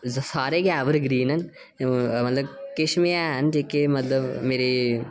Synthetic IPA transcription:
zsaːɾeɡaːʋəɾɡɾiːnɐn | mɐt̪ləbkɪʃmijaɦənd͡ʒeːkemɐt̪ləbmeːɾe

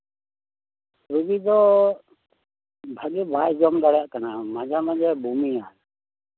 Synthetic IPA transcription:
ɾuɡid̪ɔ | bʱaɡibajd͡ʒɔmɡ̪aɽjaʔkanamad͡ʒʱamad͡ʒɛbʱumian

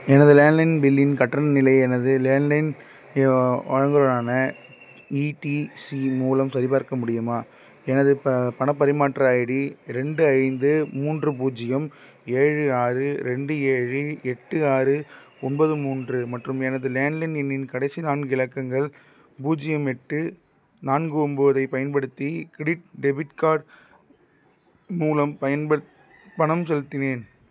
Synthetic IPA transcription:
ɛnɐðɯleːnlɐɪnbɪlːɪnkɐʈːɐnnɪlɐɪɛnɐðɯleːnlɐɪn | ɔɻɐŋɡɯɾɐnaːnɐ | iʈisimuːlɐmsɐɾɪpaːɾkɐmʊɽɪjɯmaː | ɛnɐðɯpɐnɐpːɐɾɪmaːʈːɾaːjɪɽiɾɛɳɖɯɐɪnd̪ɯmuːndrɯbuːd͡ʒɪjɐm | eːɻɯaːɾɯɾɛɳɖɯeːɻɯɛʈːɯaːɾɯ | ɔnbɐðɯmuːndrɯmɐʈrɯmɛnɐðɯleːnlɪnɛnːɪnkɐɽɐɪsinaːnɡɯɪlɐkːɐŋɡɐɭ | puːd͡ʒɪjɐmɛʈːɯ | naːnɡɯɔmbɯʋɐðɐɪpɐjɐnpɐɽɯt̪ːikɪɽɪʈ̚ɖɛbɪʈkaːɽ | muːlɐmpɐjɐnpɐ | pɐɳɐmsɛlɯt̪ːɪneːn

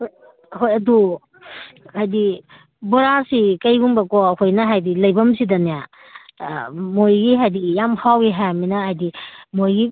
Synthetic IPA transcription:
hoj | ɦojɐdu | hajdi | bɔɾasikɐjbuŋbɐkɔkʰojnɐɦajdilɐjbɐmsidɐnija | mojɡiɦajdijamhʰawɡiɦajminɐajdimojɡi

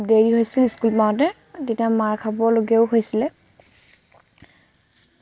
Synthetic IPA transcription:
deɹiɦojsiliskulmaɹɔt̬ɛtitiamaɹkʰabɔloɡɛʊɦojsilɛ

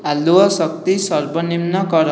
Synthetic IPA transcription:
aluʌsʌk̚t̪isʌrbʱʌnimnʌkʌɾʌ

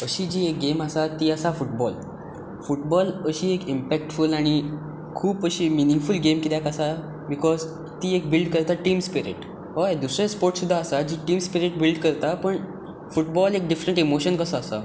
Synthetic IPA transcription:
əɕiːd͡ʑiːek̚ɡeməsat̪iːəsafuʈ̚bɔl | fuʈbɔləɕiːekimpɛk̚ʈfulaɽ̃i | kʰuːpəɕiːminiŋɡfulɡemkid̪jakəsa | bikɔz | t̪iːek̚bilɖkəɾt̪aʈiːmspiɾḛʈ | ʋɔjd̪usɾespoɾʈsud̪ʱːaːsad͡ʑiːʈiːmspiɾeʈ̚bilɖkəɾt̪apəɳ | fuʈbɔlek̚ɖifɾəɳʈimoɕənkəsaːsa̰

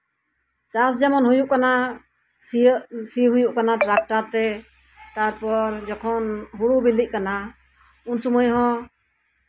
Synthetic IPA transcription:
t͡ʃasd͡ʒamɔnɦujuʔkana | siɦujuʔkanaʈɾak̚ʈaɾt̪ɛ | t̪aɾpɔɾd͡ʒɔkʰɔnɦuɽubilic̚kana | unsumujɦɔ̃

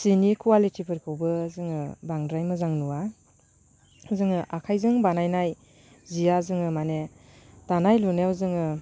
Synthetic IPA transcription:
sinikʰuwalitʰipʰɯɾkʰɯwbɯzɯŋɯbaŋdɾajmɯzaŋnuwa | zɯŋɯʔakʰajzɯŋbanajnaj | zijazɯŋɯmanetanajlunewzɯŋɯ

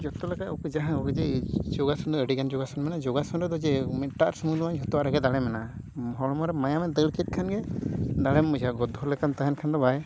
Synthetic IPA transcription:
d͡ʒɔt̪ɔlɛkaɔkɔd͡ʒaɦãɔɡɛd͡ʒɛd͡ʒɔɡasɔnd̪ɔəɖikand͡ʒɔɡasɔnmɛnad͡ʒɔɡasɔnɾɛd̪ɔd͡ʒɛmɛʈaʔɾsumud̪ɔmaɲd͡ʒʱɔt̪ɔaɾaɡɛd̪aɽɛmɛna | mɔɦɔɽɔmɔɾɛmajamɛd̪əɭkɛt̪̚kʰanɡɛd̪aɽɛmːud͡ʒaɡɔd̪ʱːɔlɛkant̪aɦɛnkʰand̪ɔbaj

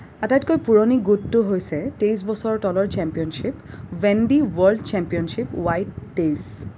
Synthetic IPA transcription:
atajtkojpuɹoniɡutːʊɦojsɛtejs̬bɔsɔɹɔtɔlɔɹt͡ʃɛmpijɔnʃip | vɛndiwɔɹldt͡ʃɛmpijɔnʃipwajtːejs

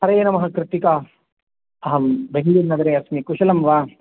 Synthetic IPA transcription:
ɦɐɾɐjeːnɐmɐɦɐkɾɪt̪ikaː | ɐɦɐmbeɦluːɾnɐɡɐɾeːɐsmikuʃɐlɐmʋaː

